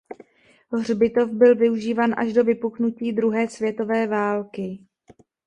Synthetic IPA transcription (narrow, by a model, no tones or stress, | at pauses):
rbɪt̪o̞fbɪlvɪuʒiːvaːnʔa̰ʒdo̞vɪpuknuciːd̪ɾuɦɛːsvjɛt̪o̞vɛːvaːlkɪ